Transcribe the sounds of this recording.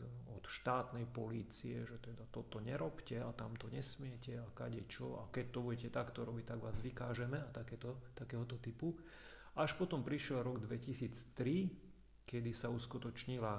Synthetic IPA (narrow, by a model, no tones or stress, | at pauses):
ɔt̪ʃt̪aːt̪nɛjpɔliːt͡siɛʒɛt̪ɛd̪at̪ɔt̪ɔɲɛɾɔpcɛat̪amt̪ɔɲɛsmɪɛcɛaka̰ɟɛt͡ʃɔ̰a̰kɛc̚t̪ɔbuɟɛcɛt̪akt̪ɔɾɔbic̚t̪aɡʋaːzʋikaːʒɛmɛat̪akɛt̪ɔt̪akɛːɦɔt̪ɔt̪ipu | ʔaʃpɔt̪ɔmpɾiʃɪɛlɾɔɡd̪ʋɛcisiːt͡st̪ɾi | kɛd̪isauskut̪ɔt͡ʃɲila